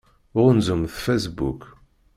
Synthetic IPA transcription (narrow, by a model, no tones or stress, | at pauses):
ʊʁnzʊmθfæsbṵk